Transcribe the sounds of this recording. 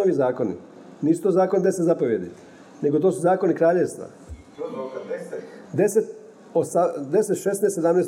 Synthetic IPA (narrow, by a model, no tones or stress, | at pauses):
oʋizaːko̞nḭ | niːsu̥t̪ozaːko̞nid̪eset̪zapo̞ʋje̞d̪ḭ | ne̞ɡo̞t̪o̞ːsuzaːko̞nikɾaːʎeʋst̪ʋa̰ | d̪eset̪ | osad̪e̞set̪ʃesnessed̪amneːst̪